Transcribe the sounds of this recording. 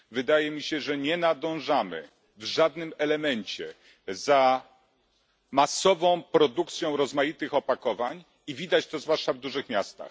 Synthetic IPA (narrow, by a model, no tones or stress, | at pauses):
vɘd̪ajɛmʲiɕɛʐɛɲɛnad̪ɔ̃w̃ʐamɘ̰ | vʐad̪nɘmɛlɛmɛɲt͡ɕɛ | za | masɔvɔ̃w̃pɾɔd̪ukt̪sʲjɔ̃w̃ɾɔzmajit̪ɘxɔpakɔvaɲ | ivʲid̪at͡ɕt̪ɔzvwaʂt͡ʂavd̪uʐɘxmʲjast̪a̰x